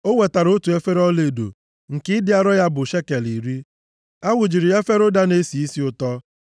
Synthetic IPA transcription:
o˦we˨ta˨ɾʊ˦tu˨e˦fe˦ɾɔ˦le˨do̰˨ | ŋ̩˨kɪ˦dɪ˦a˦ɾɔ˦ja˦bʊ˨ʃe˦ke˨li˨ɾi˦ | a˦wʊ˨d͡ʒi˨ɾi˨e˦fe˦ɾʊ˦da˦ne˦si˨i˦si˦ʊ˦tɔ˦

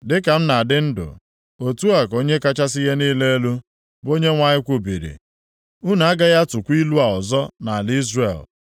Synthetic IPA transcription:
dɪ˦ka˨m̩˦na˨dɪ˦n̩˦dʊ̰˨ | o˨tu˦a˨ko˦ɲe˦ka˦t͡ʃa˦s̬i˦ɦe˦niː˦le˦e˦lu˦ | bo˦ɲe˦ŋʷa˦ɲɪ˦kʷo˨bi˨ɾḭ˨ | u˦na˨a˦ɡa˦ja˦tʊ˨kʷi˦lu˦a˨ɔ˨zɔ˦na˨a˨li˦zre˨l

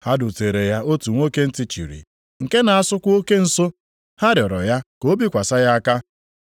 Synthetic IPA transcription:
ha˦dʊ˨te˨ɾe˨ja˦o˦tu˨ŋʷo˦ke˦n̩˦ti˨t͡ʃḭ˨ɾḭ˨ | ŋ̩˨ke˦na˨a˦sʊ˦kʷo˦ke˦n̩˨so˦ | ha˦ɾɪ˨ɔ˨ɾɔ̰˨ja˦ko˦bi˦kʷa˨sa˦ja˦a˦ka˦

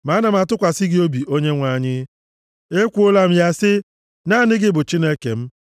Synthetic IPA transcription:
ma˨˦na˨m̩˦a˨tʊ˦kʷa˨sɪ˦ɡɪ˦o˦bi˨ʔo˦ɲe˦ŋʷa˨ɲɪ˦ | e˦kʷu˦o˦la˦m̩˦ja˦sɪ˦ | na˦˨nɪ˦ɡɪ˦bʊ˨t͡ʃi˦ne˦ke˨m̩˦

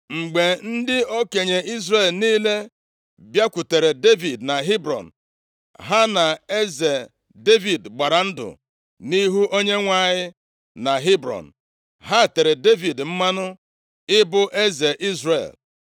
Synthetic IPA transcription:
ŋ͡m̩˨ɡ͡be˨n̩˦dɪ˦o˦ke˨ɲe˨i˦zɾe˨lniː˦le˦ | bja˦kʷu˨te˨ɾe˨de˦vi˨dna˨ɦi˦bɾɔ̰˨n̩˨ | ɦa˦na˨e˦ze˨ | de˦vi˨dɡ͡ba˨ɾa˨n̩˦dʊ̰˨ | ni˦ɦu˦ʔo˦ɲe˦ŋʷa˦˨ɲɪ˦ | na˨ɦi˦bɾɔ̰˨n̩˨ | ɦa˦˨te˨ɾe˨de˦vi˨dm̩˦ma˦nʊ˦ | ɪ˦bʊ˦ʔe˦ze˨ʔi˦zrḛ˨l

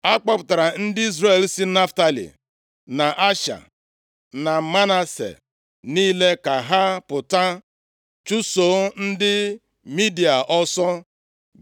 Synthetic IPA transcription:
a˦k͡pa˦pʊ˨ta˨ɾa˨n̩˦dɪ˦i˦zɾe˦˨lsi˦na˦fta˦lḭ˨ | na˨ʔa˦ʃa̰˨ | na˨˦ma˦na˨sḛ˨ | niː˦le˦ka˨ɦa˦pʊ˨ta˦ | t͡ʃu˦so˨˦n̩˦dɪ˦ | mi˦di˨a˨ʔɔ˦sɔ˦

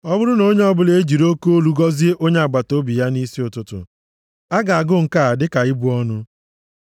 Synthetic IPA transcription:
ɔ˦bʊ˦ɾʊ˦no˦ɲe˦ɔ˦bʊ˦le˦d͡ʒi˨ɾo˦ko˦o˦lu˨˦ɡɔ˦zi˦e˦ʔo˦ɲe˦a˨ɡ͡ba˨to˦bi˨ja˦ni˦si˦ʊ˨tʊ˨tʊ̰˨ | a˦ɡa˨a˨ɡʊ˦˨ŋ̩˨ka˦˨a˨dɪ˦ka˨i˦bu˦ɔ˦nʊ˦

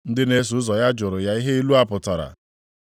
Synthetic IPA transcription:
n̩˦dɪ˦ne˦s̬u˨˦ʊ˦zɔ˨ja˦d͡ʒʊ˨ɾʊ˨ja˦i˦ɦe˦i˦lu˦a˨pʊ˨ta˨ɾa̰˨

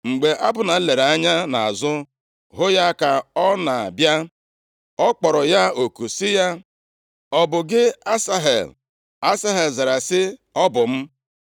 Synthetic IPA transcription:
ŋ͡m̩˨ɡ͡be˨ʔa˦bʊ˨na˨˦le˨ɾa˦ɲa˦na˨a˨zʊ˦ | ɦʊ˦ja˦ka˨ɔ˦na˨a̰˨bja˦ | ɔ˦k͡pɔ˨ɾɔ˨ja˦o˨ku˨sɪ˦ja˦ | ɔ˨bʊ˨ɡɪ˦a˦sa˦ɦḛ˨l | a˦sa˦ɦe˨lza˨ɾa˨sɪ˦ɔ˦bʊ˨m̩˦

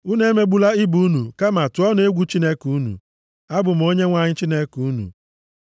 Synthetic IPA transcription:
u˦ne˦me˦ɡ͡bu˦la˦ɪ˦bu˦nu˨ka˦ma˨tʊ˨ɔ˦n˦e˦ɡʷu˦t͡ʃi˦ne˦kuu˦nṵ˨ | a˦bʊ˨m̩˨˦o˦ɲe˦ŋʷa˨ɲɪ˦t͡ʃi˦ne˦ku˨˦nṵ˨

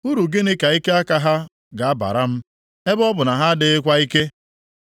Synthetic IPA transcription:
u˦ɾu˨ɡe˦ne˦ka˨i˦ke˦a˦ka˦ɦa˦ | ɡa˨a˦ba̰˨ɾa˦m̩˦ | e˦bɔ˦bʊ˨na˨ɦa˦dɪ˦kʷa˦i˦ke˦

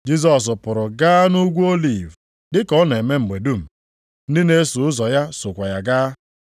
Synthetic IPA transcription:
d͡ʒi˦z̬ɔ˨s̬pʊ˨ɾʊ˨ɡaː˦nu˦ɡʷu˦o˦li˨v | dɪ˦kɔ˦n˨e˨me˦m̩˨ɡ͡be˨du˦m̩˨ | n̩˦dɪ˦ne˦su˨ʊ˦zɔ˨ja˦sʊ˨kʷa˨ja˨ɡaː˦

